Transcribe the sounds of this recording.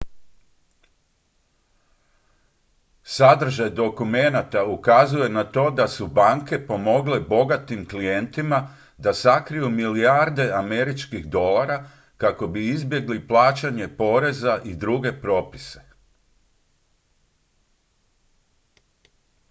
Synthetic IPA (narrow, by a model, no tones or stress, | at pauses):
sad̪r̩ʒajd̪o̞kume̞nat̪aukazuje̞nat̪o̞ːd̪asubaŋke̞po̞mo̞ɡle̞bo̞ɡat̪imklije̞nt̪ima | d̪asakɾijumiliaɾd̪e̞ame̞ɾit͡ʃkixd̪o̞laɾa | kako̞biizbje̞ɡliplˠaːt͡ʃaɲe̞po̞ɾe̞zaʔid̪ɾuɡe̞pɾo̞ːpi̥se̞̥